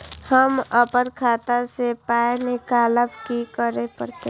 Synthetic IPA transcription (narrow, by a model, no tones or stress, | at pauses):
həməpəɾkʰaːt̪asepaːjnɪkaːləbkikəɾepəɾt̪e